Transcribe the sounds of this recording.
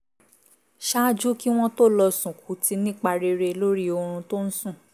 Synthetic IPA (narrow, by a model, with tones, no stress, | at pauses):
ʃa˦d͡ʒu˦ki˦w̃ɔ̃˦to˦lɔ˧sũ˨kʰu˨˦ti˧nĩ˦k͡pa˧ɾe˧ɾe˧lo˦ɾi˦o˧ɾ̃ũ˧to˦n̩˦sũ˦˨